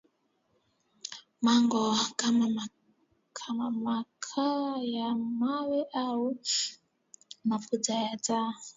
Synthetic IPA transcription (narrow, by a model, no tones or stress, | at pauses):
maŋɡɔkama | kʰamamakʰajamawɛʔawu | mafud͡zajad͡za